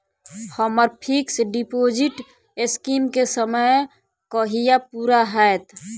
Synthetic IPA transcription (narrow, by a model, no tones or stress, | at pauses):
həməɾpʰiksɖipoːd͡ʒiʈ | ɪskimkesəməj | kəɦijapuːɾaɦɛːt̪